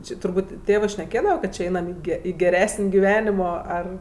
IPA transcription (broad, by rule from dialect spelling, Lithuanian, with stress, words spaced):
ˈt͡ʃʲɪ tʊrˈbuːtʲ ˈtʲeːʋɜ ʃʲnʲɛˈkʲeːdɐʋɐ ˈkɐt t͡ʃʲɪ ˈɐɪnɐm ɪ ˈɡʲɛ ɪ ɡʲɛˈrʲæːsʲɪnʲ ɡʲɪˈʋʲæːnʲɪmoː ˈɐr